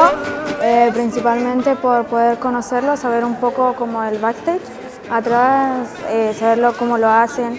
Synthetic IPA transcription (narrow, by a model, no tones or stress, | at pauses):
oepɾinsipalmẽnt̪e̞po̞ɾpo̞ðeɾko̞nose̞ɾlosaβ̞eɾumpo̞ko̞ko̞moelβakt̪et͡ʃ | at̪ɾasesaβe̞ɾlo̞ko̞moloase̞n